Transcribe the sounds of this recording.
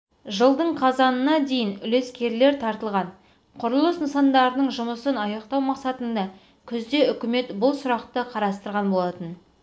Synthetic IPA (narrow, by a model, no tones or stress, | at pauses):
ʒəlˠd̪əɴqʰɑzɑnənɑd̪e̞jɪnʏle̞skʲe̞ɾle̞ɾt̪ʰɑɾt̪əlˠʁɑn | qʰʊɾlˠəsnəsɑnd̪ɑɾənəɴʒʊməsənɑjɑqt̪ɑwmɑqsɑt̪ənd̪ɑ | kʲʰʏzd̪e̞ʏkʲɪme̞t̪bʊlˠsʊɾɑqt̪əqʰɑɾɑst̪əɾʁɑnbo̞lˠɑt̪ən